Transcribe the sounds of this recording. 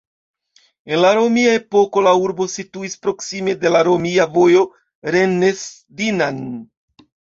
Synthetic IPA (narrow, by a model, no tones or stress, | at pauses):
e̞nlaɾo̞miae̞po̞ko̞lauɾbo̞situispɾo̞ksime̞de̞laɾo̞miavo̞jo̞ | ɾe̞ne̞s | dinan